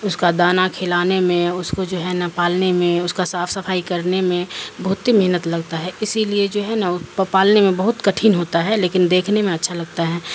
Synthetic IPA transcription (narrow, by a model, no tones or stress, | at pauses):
ʊskad̪aːnakʰɪlaːnemẽʊskod͡ʒoːɦɛnɐpaːlnemẽʊskasaːpʰsɐfʰaːikɐɾnemẽbɐɦʊt̪ɦimɛɦnət̪lɐɡt̪aɦɛɪsilied͡ʒoːɦɛnaʊpəpaːlnemẽbɐɦʊt̪kɐʈʰiːnɦoːt̪aɦɛleːkɪnd̪eːkʰnemẽɐtːʃʰalɐɡ̚t̪aɦɛː